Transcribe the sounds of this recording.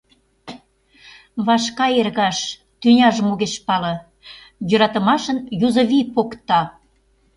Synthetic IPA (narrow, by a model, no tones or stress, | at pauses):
βɑʃkɑerɣɑʃ | t̪ynʲɑʒəmoɣeʃpɑlɤ̆ | jø̆ɾɑt̪ə̆mɑʃənjuzə̆βipokt̪ɑ